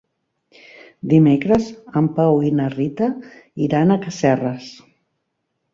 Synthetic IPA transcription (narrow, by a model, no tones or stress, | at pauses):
d̪imekɾəzəmpawinərit̪əiɾanəkəsɛrəs